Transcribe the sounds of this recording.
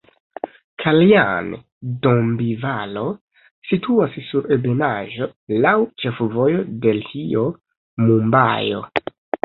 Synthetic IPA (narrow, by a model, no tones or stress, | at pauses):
kʰalian | dombivalo̞ | sitʰuassuɾebenaʒo̞lawt͡ʃe̞fvo̞jo̞de̞ltio̞ | mumba̰jo̞̰